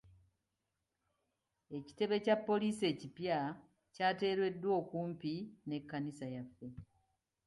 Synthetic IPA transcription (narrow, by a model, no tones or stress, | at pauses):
e̞ci̥te̞βe̞capːo̞liːse̞ːcipja | caːte̞ːɾwe̞dːwo̞ːkuːmpine̞kːanisajafːe̞